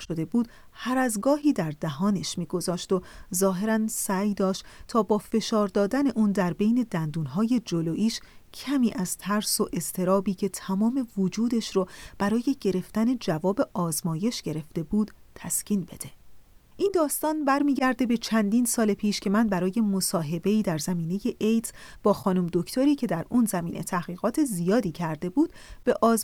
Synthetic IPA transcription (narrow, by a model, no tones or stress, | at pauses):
ʃod̪e̞buːd̪̥ | hæɾæzɡɒːɦiːd̪æɾd̪æɦɒːne̞ʃmiːɡo̞zɒːʃt̪ozɒːɦe̞ɾænsæjd̪ɒːʃt̪t̪ʰɒːbɒːfe̞ʃɒːɾd̪ɒːd̪æne̞ʔuːnd̪æɾbe̞jne̞d̪ænd̪uːnɦɒːje̞d͡ʒoloːʔiːʃcʰæmiːʔæz̥t̪ʰæɾsoʔe̞zt̪ʰe̞ɾɒːbiːcʰe̞t̪ʰæmɒːme̞vod͡ʒuːd̪e̞ʃɾob̥æɾɒːje̞ɟe̞ɾe̞ft̪æne̞d͡ʒævɒːbe̞ʔɒːzmɒːje̞ʃɟ̥e̞ɾe̞fd̪e̞buːd̪̥t̪ʰæscʰiːnbe̞d̪̥e̞ | ʔind̪ɒːst̪ɒːnbæɾmiːɟæɾd̪e̞be̞t͡ʃʰænd̪iːnsɒːlepʰiːʃcʰe̞mænbæɾɒːje̞mo̞sɒːɦe̞be̞iːd̪æɾzæmiːne̞je̞ʔejt̪ʰb̥ɒːxɒːnumd̪o̞cʰt̪ʰoɾiːcʰe̞d̪æɾunzæmḭːnʔe̞̰t̪ʰæhɣiːɣɒːt̪ʰe̞zijɒːd̪iːcʰæɾd̪e̞buːd̪̥b̥e̞ʔɒːz